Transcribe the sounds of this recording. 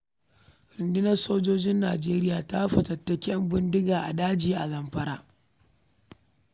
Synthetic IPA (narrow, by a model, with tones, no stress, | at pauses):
ɾɪ˨ndɪ˦nɐ˦rsoː˦d͡ʒoː˦d͡ʒɪ˦nːa̰ː˨d͡ʒeː˦ɾɪ˦jaː˨ta˦ɸɐ˨tɐ˨tːɐ˨kʲɛ˦mbɪ˦ndɪ˦ɡaː˨ʔa˨daː˦d͡ʒiː˨ʔa˨zɐ˨mɸɐ˦ɾaː˦